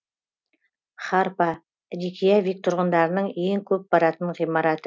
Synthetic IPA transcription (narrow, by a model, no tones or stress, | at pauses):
χɑɾpɑ | ɾikʰʲijavik̚t̪ʰʊɾʁənd̪ɑɾənəɴeŋkʲʰɵp̚bɑɾɑt̪əɴʁijmɑɾɑt̪ə